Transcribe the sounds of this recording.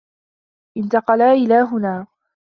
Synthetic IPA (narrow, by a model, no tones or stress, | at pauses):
ʔɪnt̪ɑqɑlaːʔɪlaːɦʊnaː